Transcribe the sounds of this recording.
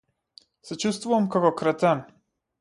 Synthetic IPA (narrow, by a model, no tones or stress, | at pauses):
sɛt͡ʃust̪vuvamkakɔkɾat̪ɛm